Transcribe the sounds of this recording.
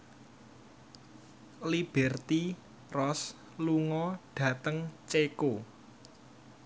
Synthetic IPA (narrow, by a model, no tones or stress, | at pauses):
lib̥ɛrt̪i | rɔs | luŋɔɖ̥ä̤t̪əŋt͡ʃeko